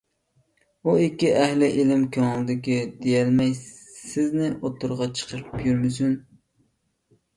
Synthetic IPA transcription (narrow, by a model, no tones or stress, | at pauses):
uikʲːiʔæhlɪʔɪlɪmkʲʰøŋlˠɨd̪ɪkʲid̪ejɛlmɛj | sɪznɪʔot̪ːʊɾʁɑt͡ʃʰə̥qʰəɾɨpjyɾmɪsyn